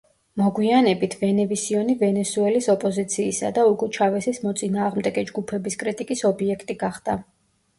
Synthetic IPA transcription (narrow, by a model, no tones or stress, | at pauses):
mɔɡwianɛbit̪ʰvɛnɛvisiɔnivɛnɛsuɛlisɔpʼɔzit̪sʰiːsa̰d̪auɡɔt͡ʃʰavɛsismɔt̪sʼinaːʁmd̪ɛɡɛd͡ʒɡupʰɛbiskʼɾit̪ʼikʼisɔbiɛkʰt̪ʼiɡaχd̪̥a